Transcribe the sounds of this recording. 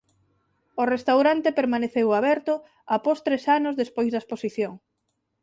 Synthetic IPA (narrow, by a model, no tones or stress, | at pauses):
ʊrest̪awɾant̪epeɾmaneθewaβɛɾt̪ʊ | apost̪ɾesanʊzðespojzðaesposiθjoŋ